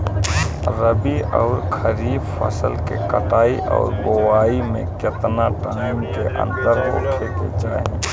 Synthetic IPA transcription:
ɾəbiɔːɾkʰəɾiːbfʰə̰səlkekəʈaːiʔɔ̰ːɾɡowaːimḛ̃kɪt̪naʈaːimkeʔə̰̃nd̪əɾɦo̰ːkʰekḛd͡ʒaːẽ

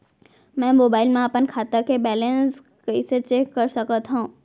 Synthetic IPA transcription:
mɛ̃ːmoːbaːɪlmẽəpənkʰaːt̪akebɛːlẽns | kɐiset͡ʃeːkːɐɾsɐkət̪ɦaũː

